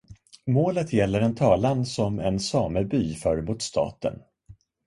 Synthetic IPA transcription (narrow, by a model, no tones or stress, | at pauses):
moːlət̪jɛlːəɾɛnt̪ʰɑːlansɔmɛnsɑːməɾbyːfœːɾmʊt̪st̪ʰɑ̰ːt̪ə̰n